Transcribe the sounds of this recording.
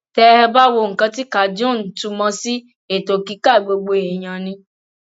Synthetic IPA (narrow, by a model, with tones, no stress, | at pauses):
tɛ˧˦hɛ˧ba˦wo˧ŋ̩˨kã˧ti˦ka˨d͡ʒõ˦˨n̩˨tu˧mɔ̃˧si˦ | e˨to˨ki˨˧˦ka˦˨ɡ͡bo˧ɡ͡bo˧e˨j̃ã˨nĩ˧